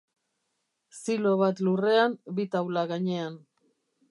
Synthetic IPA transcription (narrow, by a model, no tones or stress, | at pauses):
silo̞β̞at̪lure̞ambit̪awlaɣaɲe̞an